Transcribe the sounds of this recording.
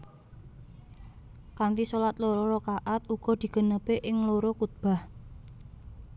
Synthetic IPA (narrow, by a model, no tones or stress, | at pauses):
kant̪isolat̪̚loɾɔɾɔkaʔat̪̚uɡ̥ɔ̤d̪̥i̤ɡ̥ə̤nəpeʔɪŋloɾɔkut̪̚b̥a̤h